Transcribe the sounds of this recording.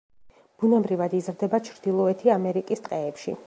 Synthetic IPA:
b̥unɛbɾivad̪izɾd̪ɛbat͡ʃʰɾd̪ilˠɔɛt̪ʰiamɛɾikʼist̪ʼqʼɛɛpʃḭ

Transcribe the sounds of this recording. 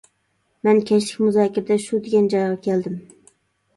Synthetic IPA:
mɛnkʲʰɛʃlɪkʲmʊzɑːkʲɪɾd̪aʃʊd̪eɡʲænd͡ʒɒjʁɑkʲʰɛld̪ɪm

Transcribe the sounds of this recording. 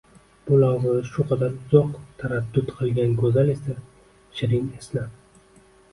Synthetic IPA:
b̥ʊlaʁzaaʃʊqʰɑd̪aɾzɒqt̪ʰaɾad̪ːʊd̪qʰɨlˠɡʲankʰɵzale̞sa | ʃɪɾɪnesna

